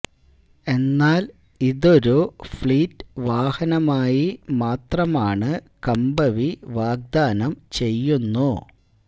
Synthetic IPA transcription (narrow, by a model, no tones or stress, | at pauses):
e̞nːaːl | iðo̞ɾufɭiːtːɨ̥ʋaːhɐnɐmaːjimaːt̪rɐmaːɳɨ | kɐmbɐʋiʋaːɡ̚d̪aːnɐmt͡ɕe̞jːunːu